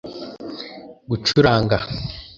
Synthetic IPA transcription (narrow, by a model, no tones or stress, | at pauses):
ɡut͡ʃuɾaːŋɡa